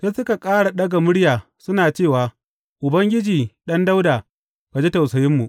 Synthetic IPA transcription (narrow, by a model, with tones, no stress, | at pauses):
seː˦sʊ˦ka˨kʼaː˦ɽa˨ɗɐ˦ɡa˨mʊ˦ɽjaː˨ | sʊ˦naː˨t͡ʃeː˦˨waː˨ | ʔʊ˨bɐ˦ŋɡʲɪ˦d͡ʒiː˨ɗɐ˦nda˦wdaː˨ | ka˨d͡ʒi˦ta˨wsɐ˨jɪ˦mːu˨ʔ